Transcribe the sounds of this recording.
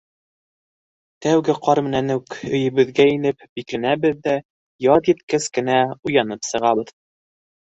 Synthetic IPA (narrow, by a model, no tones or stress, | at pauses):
t̪æwɡɘqɑɾmɘ̆nænɘkɵ̆jɘ̆βɘ̆ðɡæinɘp̚biklænæbɘðːæ | jɑðjɘt̪kɘskɘ̆næujɑnɤpsɤ̆ʁɑβɤð